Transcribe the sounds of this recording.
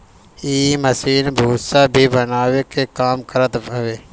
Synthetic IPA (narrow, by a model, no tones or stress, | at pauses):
iːməsiːnbʱuːsabʱibənaːwekekaːmkəɾət̪ʋeː